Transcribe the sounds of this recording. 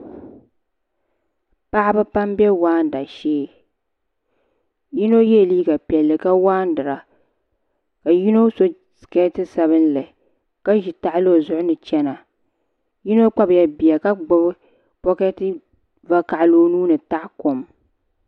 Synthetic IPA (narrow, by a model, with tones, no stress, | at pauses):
pa˦ʔba˦pa˦mbɛ˦waː˦n˨da˨ʃeː˦ | ji˦no˦jɛ˦˨liː˦ɡa˨pi˨ɛ˨lːɨ˨ka˦waː˦n˦dɨ˨ɾa˨ | ka˨ji˦no˦so˦˨ | kɛ˦tɨ˦sa˨βɨ˦nlɨ˨ | ka˦ʒi˨ta˨ʔlo˦˨zʊ˦ʔʊ˦nɨ˨t͡ʃɛ˦na˨ | ji˦no˦k͡pa˦bja˨bi˨a˨ka˦ɡ͡bb | bɔ˦kɛ˦tɨ˦ | va˦ka˨ʔloː˦nuː˦nɨ˨ta˦ʔko˨m